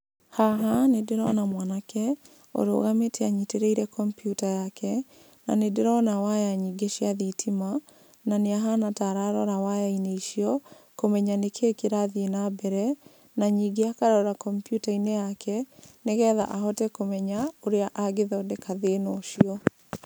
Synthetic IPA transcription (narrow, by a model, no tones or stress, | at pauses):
haɦanedeɾɔnamwanakʰɛ | o̰ɾo̰ːɣametɛaɲiteɾeiɾɛkɔmpjutajakʰɛ | na̰nedeɾɔnawajaɲiːɡeʃiaðitʰima | naneaɦanataɾaɾɔɾawajaineiʃiɔkomɛɲanekʰeːkeɾaðienabɛɾɛ | naɲiɡeakaɾɔɾakɔmpjutainejakʰɛneɣɛːða̰ʔahɔtɛkomɛɲaoɾeaʔaɡeðɔdekʰaðenoʃiɔ